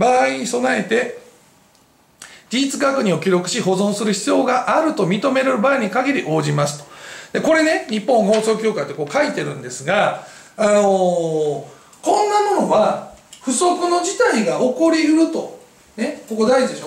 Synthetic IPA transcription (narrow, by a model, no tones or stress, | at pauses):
baːiɲ̟iso̞nae̞t̪e̞ | d͡ʑʲiːt͡sɨɡakɯ̟ɲ̟io̞kʲiɾo̞kɯ̟̥ɕiɦo̞zõɰ̃sɨɾɯ̟çi̥t͡sɨjo̞ːɡaʔaɾɯ̟t̪o̞mʲit̪o̞me̞ɾeɾɯbaːiɲ̟ikaɡʲiɾʲiʔo̞ːʑimasɨ̥t̪o̥d̪̥e̞ko̞ɾe̞ne̞ɲ̟ipːõŋɦo̞ːso̞ːkʲo̞ːkait̪ːeko̞ːkait̪e̞ɾɯ̟̃nd̪e̞sɨɡaː | no̞ | kõ̞nːamo̞no̞βaɸɯ̟so̞kɯ̟no̞d͡ʑit̪aiɡaoko̞ɾʲihɯ̟ɾɯ̟t̪o̞ | ne̞ko̞ko̞d̪aiʑid̪eɕoː